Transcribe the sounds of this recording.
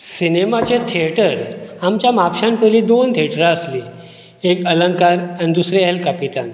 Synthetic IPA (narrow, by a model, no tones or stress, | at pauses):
sinemat͡ɕet̪ʰiəʈəɾamt͡ɕjamapɕanpəliːd̪ont̪ʰiəʈɾaəsliː | ekələŋkaɾanid̪usɾeelkapit̪a̰n